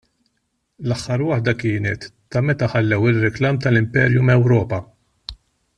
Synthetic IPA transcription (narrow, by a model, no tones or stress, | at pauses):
lɐħːɐɾwɐħd̪ɐkɪːnɛt̪ːɐmɛt̪ɐħɐlːɛwɪrːɪklɐːmt̪ɐlɪmpɛːɾjumɛwɾɔːpɐ